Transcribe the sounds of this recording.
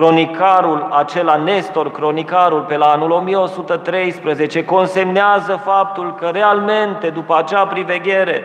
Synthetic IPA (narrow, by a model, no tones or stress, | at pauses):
kɾo̞nikaɾulat͡ʃe̞lanest̪o̞rkɾo̞nikaɾulpe̞laanulo̞mijeo̞sut̪ət̪ɾe̞jspɾəze̞t͡ʃe̞ko̞nse̞mneazəfap̚t̪ulkəɾe̞alme̞nt̪e̞d̪upəat͡ʃapɾive̞ɡʲe̞ɾe̞